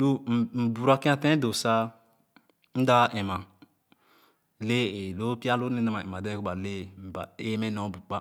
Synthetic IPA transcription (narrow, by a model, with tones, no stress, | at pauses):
lu˦˨m̩˨bu˨ɾa˨ki˦a˨tɛ̃˦do˨sa˦ | n̩˦da˦ʔɛ˨mã˨ | le˦e˨lo˦pi˦a˦lo˦ne˦a˦ma˨ɛ̰˨ma˨dɛ˦ku˦ba˨le˦˨ba̰˨e˦mɛ˦nɔ̃˨˦bu˨k͡pa˦